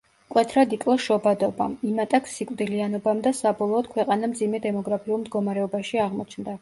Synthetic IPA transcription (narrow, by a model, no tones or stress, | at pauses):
kʼwɛt̪ʰɾad̪ikʼlˠaʃɔbad̪ɔba̰mimat̪ʼakʰsikʼd̪ilianɔbamd̪asabɔlˠɔːd̪̥kʰwɛqʼanamd̪zimɛd̪ɛmɔɡɾapʰiulˠmd̪ɡɔmaɾɛɔbaʃiaʁmɔt͡ʃʰnd̪a